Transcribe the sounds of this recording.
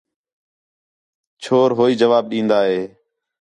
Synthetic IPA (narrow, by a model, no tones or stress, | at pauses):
t͡ʃʰoːɾɦoːiːd͡ʒəʋaːb̚ɗĩːnd̪aːɦeː